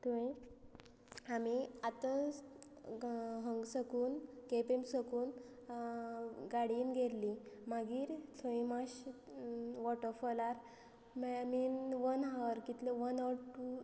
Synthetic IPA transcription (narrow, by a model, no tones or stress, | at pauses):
t̪uĩ | amiat̪ə̃ | ɦəŋɡsəkuːnkepemsəkuːn | ɡaɽiːnɡʱeɾlimaɡiːɾt̪ʰoĩmaɕ | ʋɔʈəfɔlaɾ | mminʋənɦaʋəɾkit̪leʋənɔʋɾʈu